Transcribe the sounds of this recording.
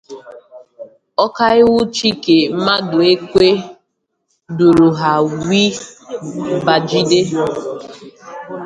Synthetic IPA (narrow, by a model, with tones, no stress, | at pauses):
ɔ˦ka˦ɪ˦wʊ˦t͡ʃi˦ke˨m̩˦ma˦dʊ˨e˦kʷe˦ | du˨ɾu˨ɦa˨wi˦ | ba˨d͡ʒi˦de˦